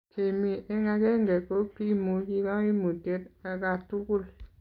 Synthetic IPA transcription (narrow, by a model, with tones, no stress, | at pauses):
kʰe˨mi˨ʔe˦ŋa˨ke˦ŋ˨ɡɛ˨ko˦pi˦mu˨˦ki˦ka˦i˦mu˨te˦t̚a˨ka˨tu˦ku˦˨l